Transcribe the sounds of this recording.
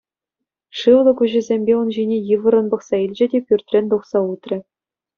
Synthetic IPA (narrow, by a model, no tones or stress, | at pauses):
ʂɯʋlˠɤ̆kuʑɘ̆zʲemʲbʲeunʑinʲejɯʋɤ̆ɾɤ̆nbɤ̆χsɑilʲd͡ʑɘ̆dʲepʲyrʲt̪ʲrʲenʲt̪uχsɑut̪rʲɘ̆